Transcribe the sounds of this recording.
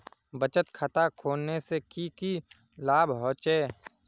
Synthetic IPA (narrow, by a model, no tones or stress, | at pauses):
bət͡ʃət̪kʰət̪akʰoːlnːesekiki | laːbʱɦoːt͡ʃeː